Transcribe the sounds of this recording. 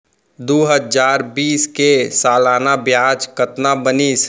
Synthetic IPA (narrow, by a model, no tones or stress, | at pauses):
d̪oɦəd͡ʒaːɾbiːskesaːlaːnabjaːd͡ʒkət̪nabənis